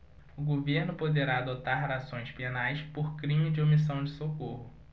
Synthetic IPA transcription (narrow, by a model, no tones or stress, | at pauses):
ʊɡoveɾnʊpod̪eɾaːd̪ot̪aɾɾasõj̃spenajspoɾkɾĩmɪd͡ʒɪomisɐ̃w̃d͡ʒɪsokohʊ